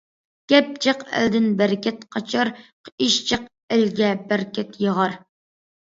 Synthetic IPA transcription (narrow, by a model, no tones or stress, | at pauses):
ɡ̥ʲɛp̚t͡ʃʰɨqæ̰ld̪ɪnbæɾkʲɛt̪qʰɑt͡ʃʰɑɾqʰiʃt͡ʃʰɨq̚ | ɪlɡʲɛbæɾkʲɛt̪jəʁɑɾ